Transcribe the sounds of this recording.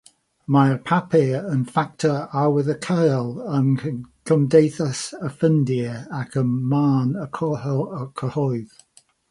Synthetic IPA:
majpʰapʰɪənfak̚tʰəawɪðəkʰəjlˠənkʰəmdejθəsəfəndiəakʰəmaːnəkʰɔkʰəhɔɪð

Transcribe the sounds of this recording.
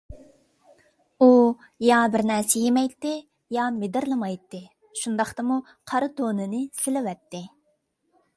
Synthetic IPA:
u | jɑbɪɾnɛɾsɛjemɛjt̪ːɪ | jɑmɪd̪ɪɾlˠɨmɑjt̪ːɨ | ʃund̪ɑχt̪ɨmu | qʰɑɾɨt̪ʰonɨnɨsɪlɪwɛt̪ːɪ

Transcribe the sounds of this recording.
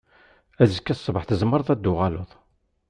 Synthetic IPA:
æzəkːæsˤːvəħθəzmːəɾˤðˤæd̪ːʊʁalʊðˤ

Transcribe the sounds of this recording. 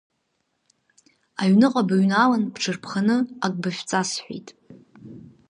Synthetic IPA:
aɥnɨqʼabaɥnalanbʈ͡ʂʰɨrpʰχanɨakʼbaʃʷᶣt͡sʼasħʷḭjtʼ

